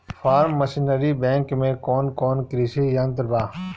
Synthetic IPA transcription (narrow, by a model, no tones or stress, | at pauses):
fʰaːɾmːəsinəɾibɛ̃ːŋkmẽkɔːnkɔːnkɾisejɐ̃nt̪əɾbaː